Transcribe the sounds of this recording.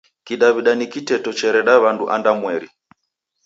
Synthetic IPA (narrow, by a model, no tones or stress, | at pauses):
kiɗaβiɗanikitɛtɔt͡ʃɛɾɛɗaβanduʔandamwɛɾi